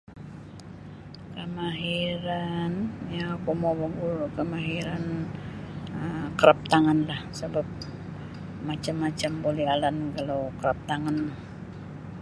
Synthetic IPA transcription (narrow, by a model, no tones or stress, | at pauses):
kəmaɦiɾanjakomowaɡulkəmaɦiɾan | əkəɾap̚t̪aŋanlahsəbap̚ | mat͡ʃamːat͡ʃambolialankalowkəɾap̚t̪aŋanlah